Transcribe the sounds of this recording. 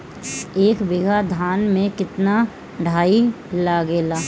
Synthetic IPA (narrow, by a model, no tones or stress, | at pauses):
eːkbɪɡʱad̪ʱaːnmẽkɪt̪na | ɖʱaːi | laːɡeːlaː